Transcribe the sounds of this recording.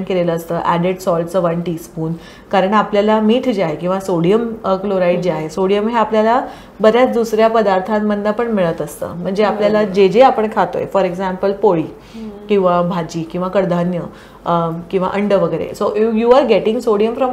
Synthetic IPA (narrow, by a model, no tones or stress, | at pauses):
ɳkeleləːst̪əːʔæ̰ɖeʈsɔlʈt͡səʋəɳʈiːspuːn | kaɾəɳapljalamiːt̪ʰd͡ʑeaɦekĩw̃ʋasoɽijəmkloɾaiʈ̚d͡ʑeaɦesoɽijəmɦeapljala | bəd̪ʱjat͡sd̪usɾjapəd̪aɾt̪ʰãmːəd̪ːapəɳmiɭət̪əst̪ə̰ːm̤əɳd͡zeapljalad͡ʑed͡ʑeapəɳkʰat̪o̰jefɔɾeɡzæ̃mpəlpoɭiː | kĩw̃ʋabʱad͡ʑiːkĩw̃ʋakəɽd̪ʱanjə | kĩw̃ʋa̰ʔəɳɖəʋəɡəɾḛsoʔifjuaɾɡeʈĩŋɡsoɽijəmfɾɔm